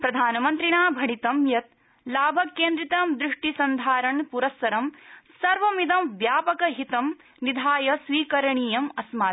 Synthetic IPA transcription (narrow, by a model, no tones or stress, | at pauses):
pɾɐd̪ʱaːnɐmɐnt̪ɾiɳaːbʱɐɳit̪ɐmjɐt̪̚ | laːbʱɐkːeːnd̪ɾit̪ɐmd̪ɾɪʂʈisɐnd̪ʱaːɾɐɳpuɾɐsːɐɾɐmsɐɾʋɐmid̪ɐmʋjaːpɐkɐɦit̪ɐm | nid̪ʱaːjɐsʋiːkɐɾɐɳiːjɐmɐsmaː